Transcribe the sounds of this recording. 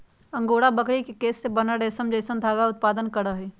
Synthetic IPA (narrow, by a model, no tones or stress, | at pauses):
ɐ̃ŋɡoːɽabəkɽikekeːsːebɐnəɽeːsəmd͡ʒəːsənd̪ʱaːɡaʊt̪̚paːd̪ənkɐɽaɦɛː